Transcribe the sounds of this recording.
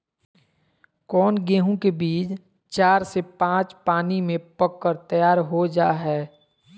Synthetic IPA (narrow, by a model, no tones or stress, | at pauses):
kɔːnɡeːɦõkebiːt͡ʃ | t͡ʃaːɾsepãːt͡ʃpaːnimẽpəkːəɾt̪əjaːɾɦod͡ʒaːɦɛː